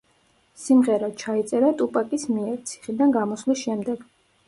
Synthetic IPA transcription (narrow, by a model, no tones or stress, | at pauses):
simʁɛɾat͡ʃʰait̪sʼɛɾat̪ʼupʼakʼismiɛɾt̪sʰi̥χid̪anɡamɔslisʃɛmd̪ɛɡ̥